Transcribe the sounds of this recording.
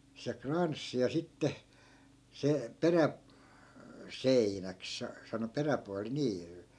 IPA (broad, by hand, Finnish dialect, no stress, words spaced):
se krɑnsːi jɑ sitːe se peræ seinæk sɑ sɑno peræpuɑli niː